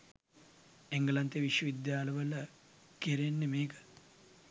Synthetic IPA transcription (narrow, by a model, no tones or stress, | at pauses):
eŋɡəlant̪eʋiʃʋəʋid̪jaːləʋələ | kiɾenːemeːkə̥